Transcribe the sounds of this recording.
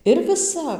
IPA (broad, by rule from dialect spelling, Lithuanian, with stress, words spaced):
ɪr ʋʲɪˈsɐp